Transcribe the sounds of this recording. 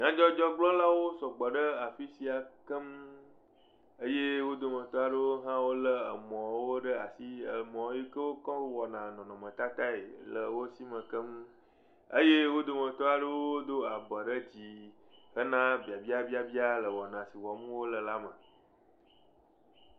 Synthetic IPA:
ɲã˦d͡ʒɔ˦d͡ʒɔ˦ɡ͡blɔ˦la˦wo˦sɔ˨ɡ͡bɔ˨ɖə˦a˨fi˦si˨a˨kə˦mu˦ | ə˦je˦wo˦d̪o˨mə̃˨t̪ɔ˦a˨ɖə˦wo˦ɦã˦wo˦lə˦ə˨mɔ̃˨˦wo˦ɖə˦a˨si˦ə˨mɔ̃˨˦i˦kə˦wo˦kɔ̃˦wɔ˨nã˨nɔ̃˨nɔ̃˨mə̃˨t̪a˦t̪a˦ḛ˨lə˨wo˦si˦mə̃˨kə˦mũ˦ | ə˦je˦wo˦d̪o˨mə̃˨t̪ɔ˦a˨ɖə˦wo˦o˦d̪o˦a˨bə˨ɖə˦d͡ʑi˨ | hə˦nã˦bi˨a˨bi˦a˦bi˦a˨bi˦a˦lə˨wɔ˨nã˨si˨wɔ˨mũ˦wo˦lə˨la˦mə̰̃˨

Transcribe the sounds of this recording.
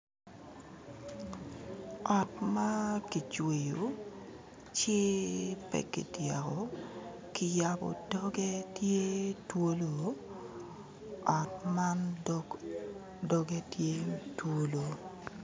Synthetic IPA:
ɔ˨t̚ma˦ki˨t͡ʃwe˨jo˨ | t͡ʃe˦pɛ̰˨kḭ˨dja˨kɔ˨ | kɪ˨ja˨bɔ̰˨dɔ˦ɡe˦tje˦two˦lo˨ | ɔ˨t̚ma˦n | dɔ˦ɡe˦tje˦two˦lo˨

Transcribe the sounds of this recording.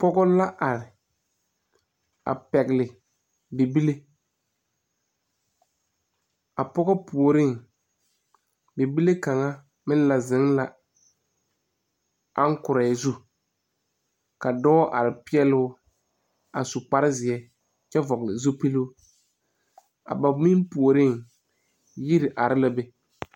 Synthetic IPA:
pɔ˦ɡɔ˦la˦ʔa˨ɾɪ˨ | a̰˨pɛ˨ɡlɪ˨ | be˨bi˦le˦ | a˨pɔ˦ɣɔ˦pu˨o˨ɾɪ˦˨ŋ | be˨bi˦le˦ka˨ŋa˦ | mɪ̃˦n˦la˨zɪ˨˦ŋla˦ | a˦ŋ˦kʊ˨ɾa˨zu˦ | ka˨dɔː˦ʔa˨ɾɪ˨pɪ˦ɛ˦lʊ˦ | a̰˨sʊ˨k͡pa˦ɾɪ˦zɪ˨ɛ˦ | t͡ʃɛ˦vɔ˨ɣɪ˨lɪ˨zu˦pi˦lu˦ | a̰˨ba˨mi˦mpu˨o˨ɾɪ˦ŋ | ji˦ɾɪ˨ʔa˨ɾɪ˦la˦be˦

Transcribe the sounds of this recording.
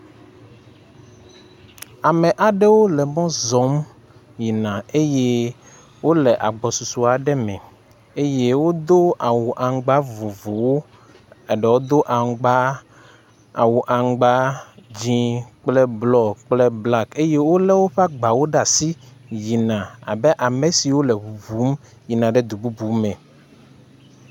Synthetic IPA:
a˨mɛ̃˨ʔa˨ɖɛ˦wo˦lɛ˨mɔ̃˦zɔ˨˦m | ji˨nã˨e˦je˦ | wo˦lɛ˨ʔa̰˨ɡ͡bɔ˨su˨su˨a˨ɖɛ˦mɛ̰̃˨ | e˦je˦wo˦d̪o˦a˨wu˨ʔa˨ŋɡ͡ba˦vu˨vu˨wo˦ | ɛ˨ɖɛ˨wo˦d̪o˦ʔa˨ɡ͡ba˦ | a̰˨wu˨ʔa˨ŋ˦ɡ͡ba˦d͡ʑĩ˦k͡plɛ˦blɔ˦kk͡plɛ˦bla˦ke˦je˦wo˦lɛ˦wo˦ɸa˦ɡ͡ba˨wo˦ɖa˨si˦ji˨nã˨a̰˨bɛ˦ʔa˨mẽ˨si˨wo˦lɛ˨βu˨vu˦m | ji˨nã˨ɖɛ˦d̪u˨bu˦bu˦mɛ̃˨

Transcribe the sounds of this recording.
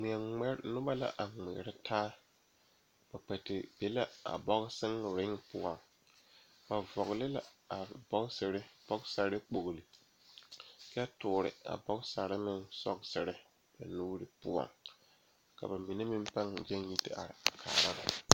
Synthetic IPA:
mɪ˨ɛ˨ŋ͡mɛ˦ɾnʊ˦ba˦la̰˦ʔa˨ŋ͡mɪ̰˨ɾɪ˦tʰaː˦ | b̥a˨k͡pɛ˨tɪ˨b̥e˦la˦a̰˨bɔ˦ɣsɪ˦ŋɾɪ˦ŋpʊ˦a˨ŋ | ba˨vɔ˨ɣlɪ˦la˨a˨bɔ˦ksɪ˨ɾɪ˦b̥ɔ˦ksa˨ɾɪ˦k͡po˨ɣli˨ | kɛ˦tʊː˨ɾɪ̰˨a̰˨bɔ˦ɡsa˨ɾɪ˦mɪ˦nsɔ˦ksɪ˨ɾɪ˦ | ba̰˨nuː˦ɾɪ˦pʊ˦ɔ̰˨ŋ | ka̰˨ba˨mi˨nɪ˦mɪ˦m˦pa˦ŋ˨d͡ʒɛ˦n˦ji˦tɪ̰˦ʔa̰˨ɾɪ˨a˨kʰa̰ː˨ɾa˦ba̰˨

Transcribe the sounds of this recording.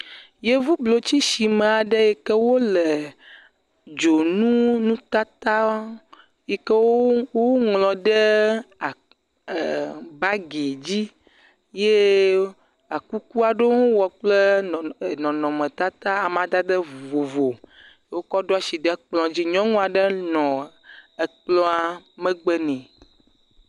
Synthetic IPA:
je˦vu˦blo˨t͡ɕi˦ʃi˨mẽ˨a˨ɖe˦jɛ˨kɛ˦wo˦le˨ | d͡ʒo˨nũ˦nũ˦t̪a˦t̪a˦ | je˨kɛ˦wo˦wo˦ŋlɔ̃˨ɖɛ˦a˨ | ba˦ɡe˨d͡ʑi˦ | je˦ | a˨ku˦ku˦a˨ɖo˦ŋo˦wɔ˨k͡ple˦˨ | nɔ̃˨nɔ̃˨mɛ̃˨t̪a˦t̪a˦a˨mã˨d̪a˦d̪ɛ˦˨vo˨vo˨˦ | wo˦kɔ˦ɖo˦a˦si˨ɖɛ˦k͡plɔ̃˨d͡ʑi˦ɲɔ̃˦ŋɔ̃˦a˨ɖɛ˦nɔ̃˨ | e˨k͡plɔ̃˦a˨mɛ̃˦ɡ͡bɛ˦nɛ̃˨

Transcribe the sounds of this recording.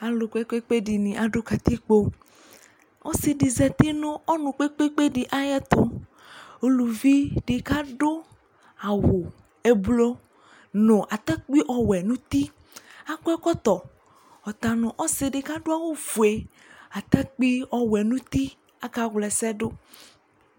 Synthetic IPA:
a˨lo˨ke˦k͡pe˦k͡pe˦ɖi˨nĩ˨ʔa˨ɖo˦ka˨t̪i˦k͡po˦ | ɔ̰˦si˨ɖi˨zɛ˨t̪i˦nɔ̃˦ɔ˦nũ˨k͡pe˦k͡pe˦k͡pe˦ɖi˨ʔa˦jɛ˦t̪o˦ | o˦lu˨vi˦ɖe˨ka˦ɖo˦ | a˨wo˨ | e˦blo˦ | nɔ̃˨ʔa˨t̪a˦k͡pi˦ʔɔ˨wɛ˨nũ˦t̪i˦ | a˦kɛ˦kɔ˦t̪ɔ˨ | ɔ˨t̪a˨nɔ̃˨ʔɔ˦se˨ɖɪ˨ka˦ɖo˦a˦wo˦vu˨e˨ | a˨t̪ɛ˦k͡pi˦ɔ˦wɛ˨nũ˦t̪i˦ | a˦ka˦ɣlɛ˨sɛ˦ɖo˦

